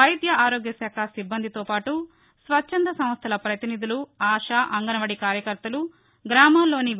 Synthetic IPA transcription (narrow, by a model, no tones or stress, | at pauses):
ɐjd̪jɐaːɾoːɡjɐsaːkʰasibːɐnd̪it̪oːpaːʈu | sʋɐt͡ʃːʃʰɐnd̪ɐsɐ̃m̃ɐst̪ʰɐlɐpɾɐt̪inid̪uluaːʂaːʔɐŋɡɐnɐʋɐɽikaːɾjɐkɐɾt̪ɐlu | ɡɾaːmaːlːo̞ːni